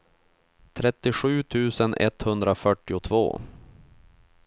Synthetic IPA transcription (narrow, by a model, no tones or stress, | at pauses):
t̪ʰɾɛt̪ːɪɧʉ̟ːt̪ʰʉ̟ːsənʔɛ̰t̪hɵnd̪ɾafœʈːɪʊt̪ʰvo̰ː